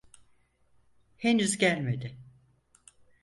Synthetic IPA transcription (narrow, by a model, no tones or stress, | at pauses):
henyzɟælʲme̞d̪ɪ